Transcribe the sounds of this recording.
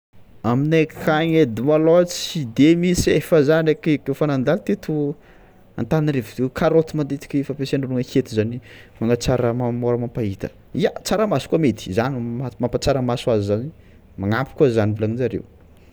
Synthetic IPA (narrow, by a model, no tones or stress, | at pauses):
aminekʰaŋed̪imalot͡sid̪emisefəzanekekefanand̪alt̪et̪ʰu | a̰nt̪anirevd̪ekʰaɾot̪imand̪et̪i̥kʲefapeseɳunuŋəket̪izanimaŋat͡saɾəmamoɾəmampait̪ə̥̰ | iat͡saɾəmasukuamet̪i̥zanimamampat͡saɾəmasuazizani | maŋampi̥kuazanivulanizaɾḛw